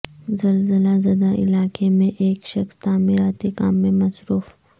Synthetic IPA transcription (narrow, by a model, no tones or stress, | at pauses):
zɐlzəlazɐd̪aʔɪ̰laːkemẽʔeːkʃɐxst̪aːmɪɾaːt̪ika̰ːmːẽmɐsɾuːf